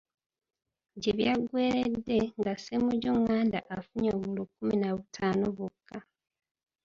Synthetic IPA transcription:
ɟe̞βjaɡwe̞ːɾedːe̞ŋɡasemuɟuŋːaːndaʔafuɲoːβulukːuminaβutʰaːnoβukːa

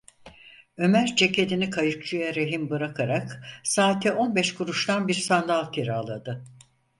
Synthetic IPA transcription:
ø̞mæɾt͡ʃʰe̞cʰe̞d̪inikʰajɯk̚t͡ʃʰujaɾeɦimbɯɾakʰaɾaksaːt̪ʰɛʔo̞nbɛʃkuɾuʃt̪ʰanbiɾsand̪alˠcʲʰeɾaalˠad̪ɯ

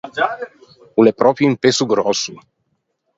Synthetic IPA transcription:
ulɛpɾɔpjĩmpesuɡɾɔsu

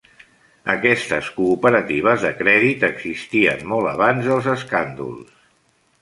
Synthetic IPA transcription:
ə̰kɛst̪əskuːpəɾət̪iβ̞əzðəkɾɛðit̪əɡz̥ist̪iə̰nmɔlˠəβanzðəlˠzəskand̪ṵlˠs

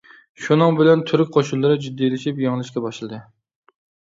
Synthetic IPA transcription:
ʃunɨŋbɪlɛnt̪ʰyɾyk̚ʲqʰoʃunlˠːɨɾɨd͡ʒyd̪ːielɪʃipjɑŋlˠɨʃkʲɛbɑʃlˠɨd̪ɨ

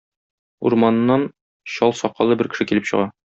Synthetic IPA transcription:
ṵɾmɑnnːɑn | ɕɒlˠsɒqːɑlˠɤbɘɾkɘ̆ʃɘkilɘpɕɤ̰̆ʁɑ

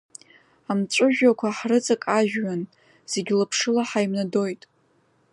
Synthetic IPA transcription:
amt͡ʃʷʼʊʒᶣakʷʰaħrɨt͡sʼakʼaʒᶣːan | z̥eɡʲlapʰʂɨlaħajmnado̞jtʼ

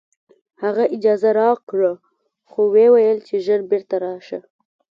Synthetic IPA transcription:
haɣaʔɪd͡ʒɑzaɾɑkɽə | xowewajəlt͡ʃeʒəɾbeɾt̪aɾɑʃə

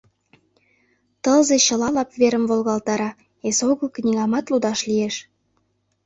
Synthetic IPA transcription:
t̪əlzeɕə̆lɑlɑpveɾəmvolɣɑlt̪ɑɾɑ | esoɣəlknʲiɣɑmɑt̪lud̪ɑʃlieʃ

